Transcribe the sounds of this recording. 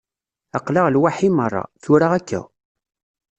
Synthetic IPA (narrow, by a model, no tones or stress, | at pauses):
ɑqlaʁlwaħimərˤːɑ̰θʊɾaʁækːæ̰